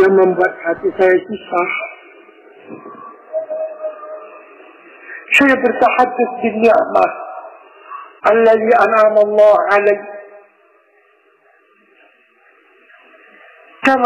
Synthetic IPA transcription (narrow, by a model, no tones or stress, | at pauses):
jamambuat̪̚hat̪isajasisaħ | ʃajbɪrt̪aħad̪ːʊθbɪnːɪʕma̰ | ʔalːaðiːʔanʕamalˤːɑːʕalaj | kam